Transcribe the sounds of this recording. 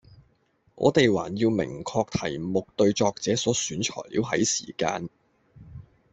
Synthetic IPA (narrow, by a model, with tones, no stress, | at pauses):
ʔɔ̰ː˨˧t̪e˨jwaː˨˩njiː˧wmɪ̰˨˩ŋkʰɔː˧k̚t̪ʰɐ˨˩jmʊ˨k̚t̪ɵ˧ɥt͡ʃɔː˧k̚t͡sɛː˨˥sɔː˨˥syː˨˥nt͡ʃʰɔ̰ː˨˩jlḭː˧wɦɐ˨˥jsiː˨˩ka̰ː˧n